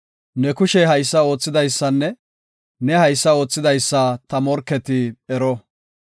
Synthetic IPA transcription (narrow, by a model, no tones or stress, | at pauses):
nɛkʊʃɛɦɐjsːɐo̞ːt͡sːɪd̪ɐjsːɐnːɛ | nɛhɐjsːɐo̞ːt͡sːɪd̪ɐjsːɐt̪ɐmɔɾkːɛt̪ɪɛɾɔ